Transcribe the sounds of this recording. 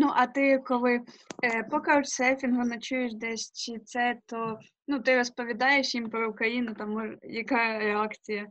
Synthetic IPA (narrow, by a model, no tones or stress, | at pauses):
nuʔɐt̪ɪkɔlˠɪpɔkɐʊt͡ʃsɛfʲinɦʊnɐt͡ʃujeʃ̬d̪ɛʃʲt͡ʃɪt̪sɛt̪ɔ | nut̪ɪɾɔspɔʋʲid̪ɑjeʃjimpɾɔʊkɾɐjinʊt̪ɐmɔʒjɐkɑɾeɑkt͡sʲijɐ